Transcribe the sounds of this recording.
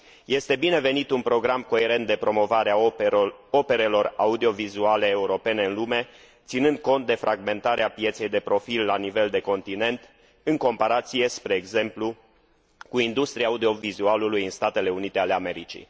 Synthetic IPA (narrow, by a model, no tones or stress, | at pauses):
je̞st̪e̞bine̞ve̞nit̪unpɾo̞ɡɾamko̞e̞ɾe̞nt̪̚d̪epɾo̞mo̞vaɾea | o̞pe̞ɾe̞lo̞raud̪io̞vizuale̞ːuɾo̞pe̞ne̞ɨnlume̞ | t̪sinɨnd̪̚ko̞nt̪̚d̪e̞fɾʔaɡme̞nt̪aɾeapje̞t̪se̞jd̪e̞pɾo̞filːanive̞ld̪e̞ko̞nt̪ine̞nt̪ | ɨŋko̞mpaɾat̪sije̞spɾe̞ːɡze̞mplu | kuind̪ust̪ɾiaːud̪io̞vizualulujɨnst̪at̪e̞le̞unit̪e̞ale̞ame̞ɾit͡ʃḭ